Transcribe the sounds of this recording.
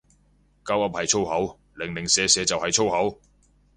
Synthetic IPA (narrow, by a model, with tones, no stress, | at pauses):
kɐ˥wɐ˨˥p̚hɐ˨jt͡ʃʰo˥whɐ˨˥w | lɪ˨ŋlɪ˨ŋsɛː˨˧sɛː˨˧t͡sɐ˨whɐ˨jt͡ʃʰo˥whɐ˨˥w